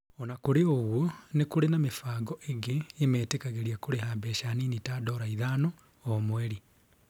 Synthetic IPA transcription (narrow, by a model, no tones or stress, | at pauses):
onakuɾeoɣwonekuɾenamefaːɡɔʔeɡeːmeːtekaɣeɾiakuɾehabɛʃaninitaːdɔːɾaiðaːnoː | mweɾi